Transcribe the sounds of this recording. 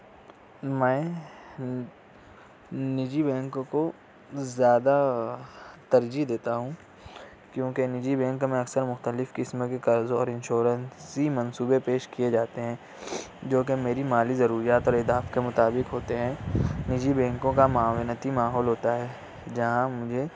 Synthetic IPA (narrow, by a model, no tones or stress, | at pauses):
mɛ̃ː | nɪd͡ʒibɛ̃ːŋkõko | zjaːd̪a | t̪ɐɾd͡ʒid̪eːt̪aɦũ | kjõːkenɪd͡ʒibɛ̃ːŋkmẽɐksəɾmʊxt̪əlɪfkɪsmẽkekɐɾzɔːɾɪ̃nʃoːɾənsimɐnsuːbepeːʃkijed͡ʒaːt̪eɦɛ̃ | d͡ʒoːk̬emeːɾimaːlizɐɾuːɾijaːt̪ɔːɾɪd̪aːfkemʊt̪aːbɪkɦoːt̪eɦɛ̃nɪd͡ʒibɛ̃ːŋkõkamaːwɪnət̪imaːɦɔːlɦoːt̪aɦɛː | d͡ʒɐɦãmʊd͡ʒʱe